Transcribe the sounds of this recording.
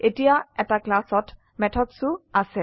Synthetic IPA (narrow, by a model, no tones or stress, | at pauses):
etijaɛtaklasɔt | mɛtʰɔdsuasɛ